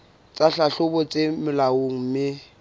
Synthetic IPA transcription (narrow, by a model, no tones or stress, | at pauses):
t͡sʼaɬaɬʊbɔt͡sʼemɪlaoŋ̩mɪ